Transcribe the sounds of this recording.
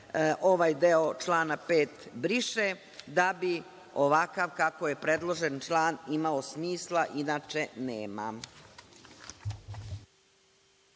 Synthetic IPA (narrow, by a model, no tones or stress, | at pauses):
ʔo̞ʋajd̪eot͡ʃlaːnapeːt̪bɾiʃe | d̪abi | o̞ʋakaʋkako̞je̞pɾed̪lˠo̞ʒent͡ʃlˠaːnimao̞smiːslˠaʔinaːt͡ʃe̞neːma̰